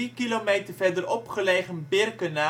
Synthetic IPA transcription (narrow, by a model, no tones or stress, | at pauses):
ikilomejtərvɛɹdəɾɔpχəlejχənbɪrkəna